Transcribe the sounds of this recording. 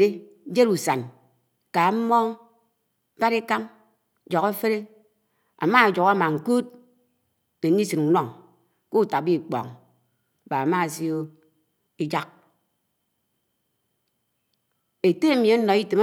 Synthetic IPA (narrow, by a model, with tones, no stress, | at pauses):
e˦ | d͡ʒe˦ɾu˨sa˨n | ka˨m̩˦mɔ˦ | ba˦ɾi˦ka˦m | d͡ʒɔ˨ɣe˦fe˦ɾe˦ | a̰˨ma˦a˨d͡ʒo˨ɣa˦ma˨ŋ̩˨ku˦t̚ | ne˨n̩˦i˦sɨ˨nʷɔ˨ŋ | ko˦˨ta˨k̚bi˦˨k͡pɔ̰˨ŋ˨ | ba˨a˨ma˦˨si˦o˦ | i˦d͡ʒa˦k̚ | e˨te˦mi˨a˦nɔ˨i˦te˨ma˦